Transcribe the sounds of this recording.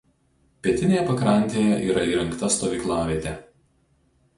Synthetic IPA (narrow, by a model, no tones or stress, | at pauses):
pʲiɛt̪ʲɪnʲeːjɛpɐkɾɐˑnʲˑt̪ʲeːjɛʔiːɾɐiːɾʲɐŋkt̪ɐst̪ɔːʋʲiːklˠɑːʋʲiɛt̪ʲɛ